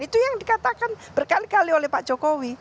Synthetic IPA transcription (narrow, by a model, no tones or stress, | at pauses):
it̪ujaŋdikat̪akanb̥ərkalikaliolɛhpaʔd͡ʒ̥okowi